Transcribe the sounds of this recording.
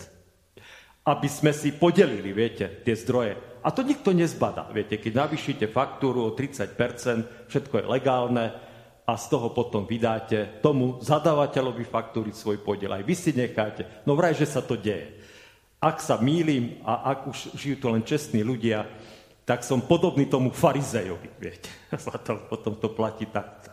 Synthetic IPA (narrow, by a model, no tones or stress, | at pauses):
abizmɛsipɔɟɛliliʋɪɛcɛt̪ɪɛzd̪ɾɔjɛʔat̪ɔɲik̚t̪ɔɲɛzbad̪a̰ʋɪɛcɛkɛɟnaʋiːʃɛcɛfakt̪uːɾuɔt̪ɾit͡sac̚pɛɾt͡sɛnt̪ | fʃɛt̪kɔjɛ̰lɛɡaːlnɛ | ast̪ɔɦɔpɔt̪ɔmʋid̪aːcɛt̪ɔmuzad̪aːʋacɛlɔʋifak̚t̪uːɾisʋɔjpɔɟɪɛ̰la̰jʋisiɲɛxaːcɛnɔʋɾajʒɛsat̪ɔɟɛjɛ̰ | aksamiːliːmaʔaɡuʃʒijuːt̪ulɛnt͡ʃɛst̪niːluɟɪa | t̪aksɔmpɔd̪ɔbniːt̪ɔmufaɾizɛjɔ̰ʋiʋɪɛcɛ̥zlat̪ɔpɔt̪ɔmt̪ɔplaciːt̪akt̪ɔ̥